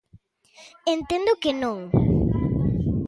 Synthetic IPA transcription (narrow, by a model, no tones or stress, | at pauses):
ent̪ẽnd̪ʊkenõŋ